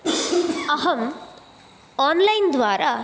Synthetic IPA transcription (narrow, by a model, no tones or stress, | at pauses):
ɐɦɐm | aːnlɐjnd̪ʋaːɾaː